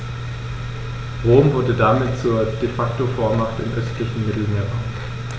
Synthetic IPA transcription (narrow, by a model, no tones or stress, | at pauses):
ʁoːmvʊɐdədamɪtt͡suːɐd̥efaktofoːɐmaχtɪ̰mʔœstlɪçn̩mɪtl̩meːɐat